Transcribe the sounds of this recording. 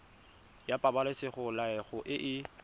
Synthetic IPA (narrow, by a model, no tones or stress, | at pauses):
japʼabalɪsɪχʊlaɛχʊʔɪʔɪ